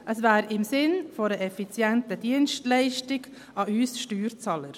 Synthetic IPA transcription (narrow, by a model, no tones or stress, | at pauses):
ʔəsvæːɾɪmsɪnfoɾəʔɛfit͡sjɛntəd̥iənʃtlɛɪʃtɪɡ | ɑyːsʃtyːɾt͡sɑːləɾ